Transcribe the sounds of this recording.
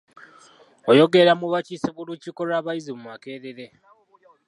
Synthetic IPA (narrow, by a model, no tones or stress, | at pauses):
o̞jo̞ɡe̞ɾamuβacisiβulucikolaːβajizimumake̞ːɾeɾe̞